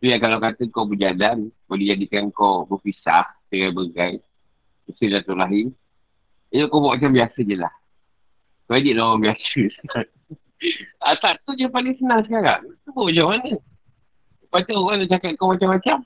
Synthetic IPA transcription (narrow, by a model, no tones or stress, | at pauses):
t̪ujakalawkat̪əkobəd͡ʒadanbadid͡ʒadikankobəfisa̰ht̪iɾajbəɡaj | bəsilat̪ulaɦɪn | ijəkobaʔmat͡ʃambiasəɲəla̰h | koadiʔlawaŋbiasəsa | at̪aʔt̪ud͡ʒəpalɪŋsənaŋsəkaɾa̰ŋt̪uboat͡ʃamanə | pat̪aoɣanaʔt͡ʃakat̪̚komat͡ʃamat͡ʃam